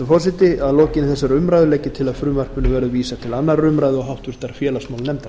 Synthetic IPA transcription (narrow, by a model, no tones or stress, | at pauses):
fɔs̬ɪt̪ɪaðlɔːcɪnɪθɛsːaɾʏmɾajðʏlɛːcɪt̪ʰɪlaðfɾʏːmar̥pʏnːʏvɛːɾʏðviːsat̪ʰɪlanːarːʏmɾajðɪɔɦawht̪vɪr̥t̪aɾfjɛːlasmawlnɛmt̪aɾ